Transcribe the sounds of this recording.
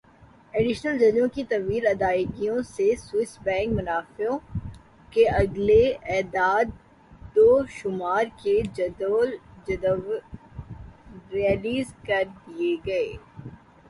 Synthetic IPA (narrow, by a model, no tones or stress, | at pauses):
eːɖɪʃnəld͡ʒɐd͡ʒõkit̪ɐʋiːɾɐd̪aːɪɡijõsesʊɪsbɛ̃ːŋkmʊnaːfõ | keɐɡleɛːd̪aːd̪ː | oːʃʊmaːɾked͡ʒɐd̪oːld͡ʒɐd̪əʋ | ɾɛːliːzkɐɾd̪ieɡɐeː